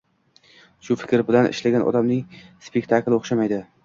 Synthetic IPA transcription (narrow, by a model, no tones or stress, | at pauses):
ʃʊfɪ̥kʲɾbɪlanɪ̰ʃlaɡʲanʔɒ̰d̪amnɪŋspʰe̞kʲt̪ʰaklɪoχʃamajd̪ɪ